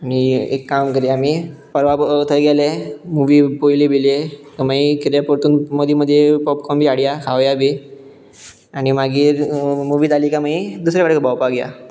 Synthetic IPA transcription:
aniḛkːamkəɾiamipəɾʋat̪ʰəjɡalemuʋiːpojlibilek̪əmaikiɾjapəɾt̪uːnmod̪ʱiməd̪ʱːjepɔpkʰɔmbʱiːaɽjakʰaʋjabʱi | aɽ̃imaɡiːɾmuʋiːt̪alikamaid̪usɾjakaɽkəbawpaɡja̰

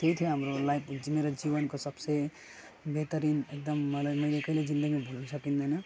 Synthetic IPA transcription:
t̪eit̪ʰieɦəmɾolajpd͡ʒmeɾad͡ʒiʋənkosəbse | bʱet̪əɾiːnek̚d̪əmːɐlməlekəɦiled͡ʒĩnd̪əɡimebʱulisəkĩnd̪enɐ

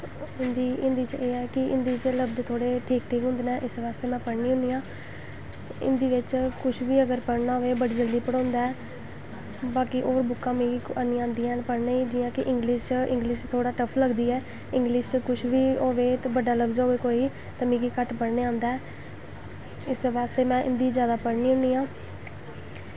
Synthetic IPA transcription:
ɪnd̪iːɪnd̪iːt͡ʃeːɛːkɪʔɪnd̪iːt͡ʃləbd͡ʒt̪ʰoːɽeːʈʰiːk̚ʈʰiːkɦʊ̃nd̪ːnaːʔɪsʋaːst̪eːmɛ̃ːpəɽniːɦʊ̃nd̪ijãː | ɪ̰nd̪iːʋɪt͡ʃkʊʃʰʋiːəɡəɾpəɽnaːɦoʋeːbəɽiːd͡ʒəld̪iːpəɽɔ̃ːnd̪aːɛː | baːkiʔoːɾbʊkːãːmĩːanĩːãːnd̪iːãːnpəɽneːiːd͡ʒɪːjãːkɪʔɪ̃ŋɡliːʃt͡ʃʔɪ̃ŋɡliːʃt̪ʰoːɽaːʈəpʰləɡd̪iːɛː | ɪ̃ŋɡliːʃt͡ʃkʊʃʰʋiːoːʋeːt̪ːbəɖaːləbzaːoːʋeːkoːiː | t̪əmĩːkiːkəʈpəɽneːãːnd̪aːɛː | ɪsʋaːst̪eːmɛ̃ːʔɪ̰nd̪iːzjaːd̪aːpəɽniːɦʊ̃niːãː

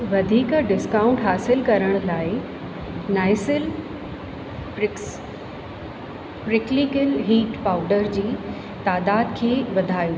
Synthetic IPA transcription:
ʋɐd̪ʱiːkɖɪskãːʊ̃ɳʈɦaːsɪlkɐɾəɽ̃laːɪ | naːɪsɪl | pɾɪks | pɾɪklikɪlɦiːʈpaːʊɖəɾd͡ʑiː | t̪aːd̪aːd̪̚kʰeːʋɐd̪ʱaːju

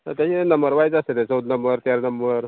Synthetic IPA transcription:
ət̪jat͡ɕinəmbəɾʋajd͡zəset̪et͡sɔd̪̚nəmbəɾt̪jaɾnəmbəɾ

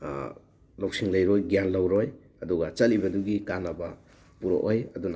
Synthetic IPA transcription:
lowsiŋlɐjɾojɡjanlɐwɾoj | ɐduɡɐt͡ʃɐlibɐduɡikanɐbɐ | puɾo̰ʔojɐduna

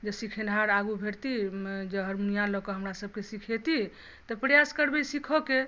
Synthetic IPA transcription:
d͡ʒesikʰenʱaɾaɡubʱeɾt̪id͡ʒeɦəɾmunijalɔkɔɦəmɾasəb̚kesikʰet̪i | t̪ɔpɾjaskəɾbɛsikʰoke

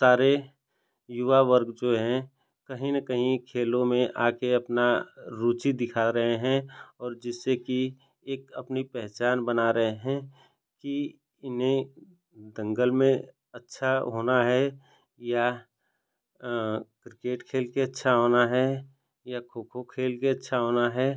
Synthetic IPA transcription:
saːɾe | jʊʋaʋəɾɡd͡ʒoːɦɛ̃ | kɐɦĩnɐkəɦĩkʰeːlõmẽʔaːkeɐpnaɾuːt͡ʃid̪ɪkʰaɾɐɦeɦɛ̃ɔːɾd͡ʒɪsːeki | eːkɐpnipɛɦt͡ʃaːnbənaɾɐɦeɦɛ̃ | ki | ɪnɦẽ | d̪ɐ̃ŋɡəlmẽ | ɐtːʃʰaɦoːnaɦɛ | ja | kɾɪkeːʈkʰeːlkeɐtːʃʰaɦoːnaɦɛ | jakʰoːkʰokʰeːlkeɐtːʃʰaɦoːnaɦɛː

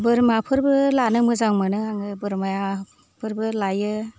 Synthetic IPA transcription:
bɯɾmapʰɯɾbɯlanɯmɯzaŋmɯnɯaŋɯbɯɾmaja | pʰɯɾbɯlajɯ

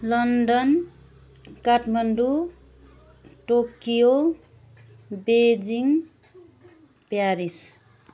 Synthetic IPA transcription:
lʌnɖʌn | kaʈʰmʌnɖu | ʈokijo | bed͡ziŋ | pjaɾis

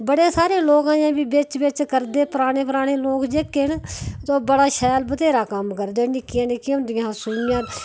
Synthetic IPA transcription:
bəɽeːsaːɾeːloːkãːãːbiːbɪt͡ʃbɪt͡ʃkəɾd̪eːpəɾaːɽ̃eːpəɾaːɽ̃eːloːkd͡ʒekːeːnt̪oːbəɽaːʃɛːlbət̪eːɾaːkəmkəɾd̪eːnɪkːɪjãːnɪkːjʊ̃nd̪ɪjãːsuːmɪjãː

